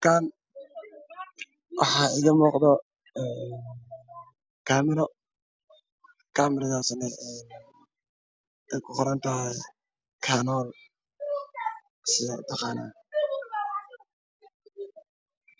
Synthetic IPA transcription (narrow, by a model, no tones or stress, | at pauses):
kʰan | wʔɑħɑːɪɣɐmuːqd̪ɔ | ɛːnn | kʰaːmɪɾɔ | kʰaːmɪɾɐðaːsnɛɛːn | ɛkʰʊχʊɾaːnt̪ʰɐɦɛj | kʰaːnɔːl | sɪjɔt̪ʰɑqɑːna̰ː